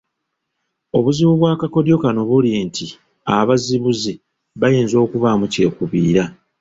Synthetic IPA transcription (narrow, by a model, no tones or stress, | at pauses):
o̞βuziβuβwaːkako̞djo̞kano̞βulintʰi | aβaziβuzi | βajeːnzo̞ːkuβamuce̞ːkuβiːɾa